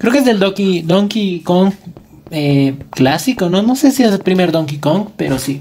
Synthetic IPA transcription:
kɾeokezðeld̪okid̪oŋkikoŋk | eklasikononosesiezpɾimeɾod̪oŋkikoŋkpeɾosi

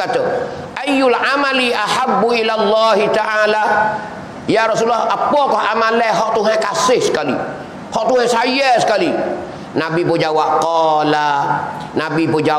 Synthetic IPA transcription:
at̪ɔ | ʔajːʊlʕamaliʔaħabːuʔilalˤːaːhit̪aʔala | jaɾɔsulːɔhʔapɔkɔhʔamalɛhɦɔʔt̪uɦɛ̃kasɪhskalḭ | hɔʔt̪uhɛ̃sajɛskali | nabipɔd͡ʒawaʔqɔla | nabipɔd͡ʒa

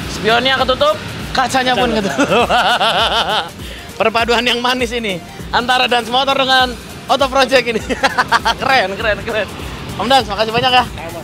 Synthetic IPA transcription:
sə̥piɔniakət̪ut̪ʊp̚kat͡ʃaɲapʊnkət̪ut̪ʊpa | pərpaduanjaŋmanisini | ant̪aɾadansmot̪ɔrdəŋan | ot̪ɔpɾod͡ʒɛkini | kəɾɛnkəɾɛnkəɾɛn | amdansmakasibaɲakja

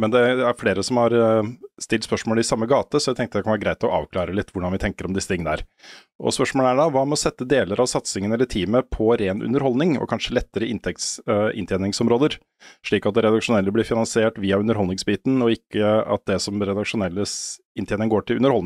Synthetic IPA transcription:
mɛnd̪ɛæɾfleːɾəsɔmhɑɾst̪ɪlt̪spœʂmoːləɪsɑmːəɡɑːt̪əsɔjæɪɛŋkt̪əd̪ɛkʰɑnʋæːɾəɡɾæɪt̪ɔʔɑ̰ːʋkʰlɑːɾəlɪt̪ːʋʊɖɑnʋɪt̪ʰɛŋkəɾɔmd̪ɪsːət̪ʰɪŋːənəæ̰ːɾ | ʔɔ̰spœʂmoːləæɖɑʋɑːmɛɔsɛt̪ːəd̪eːləɾʔɑʋsɑt̪sɪŋənɛlːəʈʰiːməpʰɔɾeːnʔʉ̰nːəɾhɔlnɪŋɔ̰kʰɑnʂəlɛt̪ːəɾəɪnt̪ʰɛk̚t̪sɪ̰nt̪ʰeːnɪŋsɔmɾoːd̪əɾ | ʂɭiːkɑt̪̚d̪ɛɾɛd̪ɑkʂʊnɛlːəblɪɾfɪnɑnsɪeːʈʋiːɑʉnəɾɦɔlnɪŋsbiːt̪n̩ɔɪkːəɑ̰t̪̚d̪ɛsɔmɾɛd̪ɑkʂʊnɛlːə | ɪnt̪eːnɪŋəɡoːʈʰɪlʉnəɾhɔl

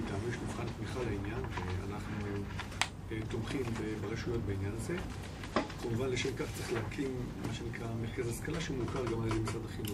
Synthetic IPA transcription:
it̪amiʃmifχaltmiχalainjanʃea̰naχnuu | et̪omχimvebeʁeʃujo̞t̪̚beinjanaze̞ | kamuvanleʃemkaχt͡seχlehakʰimmaʃenikʁameʁkazaskalaʃemukaʁɡamaljezemisʁad̪aχino

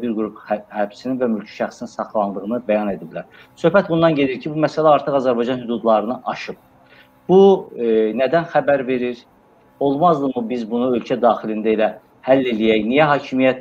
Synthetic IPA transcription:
biɾɡuɾuphæb̥sininvæmylʲcʰi̥ʃæχsininsɑχlˠɑnd̪ɯɣɯnɯbæjɑne̞d̪iblæɾ | sø̞hbæt̪̚bund̪ɑnɟe̞d̪iɾcʰibumæsælæɑɾt̪ʰɯɣɑzæɾbɑjd͡ʒɑnhyd̪ud̪lˠɑɾɯnɯʔɑʃɯb̚ | b̥u | næd̪ænxæbæɾve̞ɾiɾ | o̞lˠmɑzd̪ɯmubizbunuø̞lcʰæd̪ɑːxilind̪æelæ | hælːelijæjnijæɦɑːcʰimijæt̪

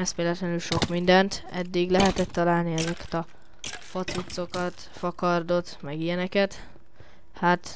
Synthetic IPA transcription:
ɛst̪meːlɛt̪lɛnylʃo̞kmind̪ɛnt̪ɛ̰d̪ːiɡlɛɦɛt̪ɛt̪ːɒlaːlniɛzɛkɛ̥t̪ɒ | fɒt̪sut̪so̞kɒt̪ | fɒkɒrd̪o̞t̪mɛɡijɛnɛkɛt̪ | hat̪

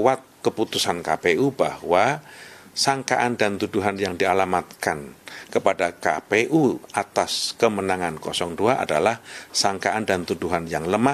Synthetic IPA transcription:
wat̪̚kəput̪usankapeuba̰hwa | saŋka̰ʔandant̪uduɦanjaŋdialamat̪̚kankəpadaka̰peʔuʔat̪askəmənaŋankɔsɔŋduaʔa̰dalahsaŋkaʔandant̪uduɦanjaŋləma

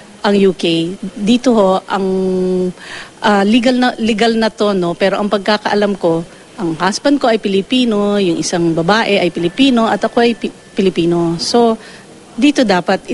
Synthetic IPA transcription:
ʔɐŋjuːkejd̪iːt̪o̞ho̞ʔɐŋ | ʔalɪɡɐlnɐlɪɡɐlnɐt̪o̞no̞pɛːɾo̞ʔɐŋpɐɡ̚kakɐʔɐlamko̞ | ʔɐŋhasbɐnd̪̚ko̞ʔɐjpɪlɪpiːno̞jʊŋʔɪsaŋbɐbaːʔɛʔɐjpɪlɪpiːno̞ʔɐt̪ɐko̞ʔɐj | pɪlɪpiːno̞so̞ | d̪iːt̪o̞d̪aːpɐt̪̚

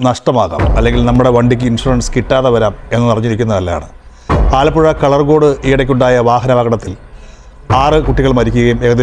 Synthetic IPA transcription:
nɐʂʈɐmaːɣa̰ːmɐlːe̞ŋɡilnɐmːuɽe̞ʋɐɳɖik̬ʲːɨinʂuɾɐɳɖskiʈːaːðɐʋɐɾaːme̞nːɨnirɐɲːiɾikʲːunːɐðɐlːɐja̰ːɳɨ | aːlɐpːuɻɐkɐɭɐrɡo̞ːɽɨʔiːɽɐkʲːuɳɖaːjɐʋaːɦɐnɐʋɐɣɐɽɐt̪ːil | aːrɨkuʈːiɣɐɭmɐɾikʲːuɣɐjumeɣɐði

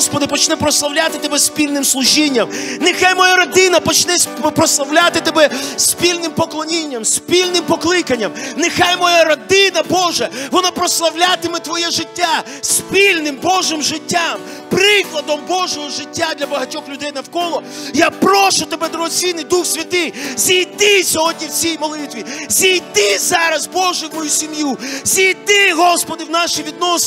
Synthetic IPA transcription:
spɔd̪ɪpɔt͡ʃnɛpɾɔslˠɐwlʲat̪ɪt̪ɔbɛspʲilʲnɪmslˠʊʒʲinʲːɐmnɪxajmɔjaɾɐd̪ɪnɐpɔt͡ʃnɛpɾɔslˠɐwlʲat̪ɪt̪ɔbɛsʲpʲilʲnɪmpɔklˠɔnʲinʲːɐmsʲpʲilʲnɪmpɔklˠɪkɐnʲːɐmnɪxajmɔjaɾɐd̪ɪnɐbɔʒɛʋɔnapɾɔslˠɐwlʲat̪ɪmɪt̪ʋɔjɛʒɪtʲːa | sʲpʲilʲnɪmbɔʒɪmʒɪtʲːam | pɾɪklˠɐd̪ɔmbɔʒɔɦɔʒɪtʲːad̪lʲɐbɐɦɐtʲɔxlʲʊd̪ɛjnɐwkɔlˠɔjapɾɔʃʊt̪ɔbɛd̪ɾɔɦɔt͡s̪ʲinɪjd̪uxsʲʋʲɐt̪ɪjzʲijd̪ɪsʲɔɦɔdʲnʲiwt͡sʲijmɔlˠɪt̪ʋʲizʲijd̪ɪzɑɾɐzbɔʒɛwmɔjusʲimjuzʲijd̪ɪɦɔspɔd̪ɪwnɑʃiʋʲid̪̚nɔs

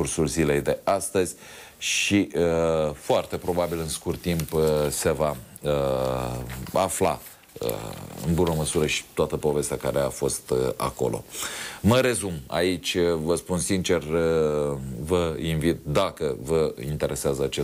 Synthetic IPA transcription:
ursulzile̞jd̪e̞ast̪əzʲ | ʃiəfoart̪e̞pɾo̞babilɨnskurt̪ːimpse̞va | ə | afla̰ | ə̰ɨ̰nbunəməsuɾəʃi̥t̪oat̪əpo̞ve̞st̪ʲakaɾe̞afo̞st̪a̰ko̞̰lʔo̞̰məɾe̞zuma̰it͡ʃʲvəspunsint͡ʃe̞r | vəinvit̪̚d̪akəvəint̪e̞ɾʔe̞seazəat͡ʃe

